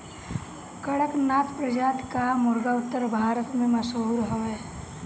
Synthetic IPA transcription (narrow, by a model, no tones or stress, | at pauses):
kɐɽəknaːt̪pɾəd͡ʒaːt̪kamʊɾɡaʊt̪ːəɾbʱaːɾət̪mẽmɐsoːɾɦoʋe